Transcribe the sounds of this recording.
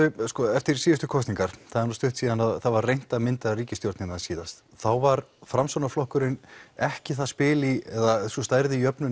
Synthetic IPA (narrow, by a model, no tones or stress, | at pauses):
ʏskɔɛft̪ɪɾsiːjʏst̪ʏkʰɔst̪niŋkaɾ̥θaðɛɾnust̪ʏht̪siːðanaðθaðvarrejn̥t̪aðmɪnt̪aɾiːcɪst̪jowɾt̪nɪnaðsiːðast̪ | θawvaɾfɾamsawnaflɔhkʏɾɪnɛhcɪθaðspɪːliɛðasɔst̪aːjɾðɪijœpnʏ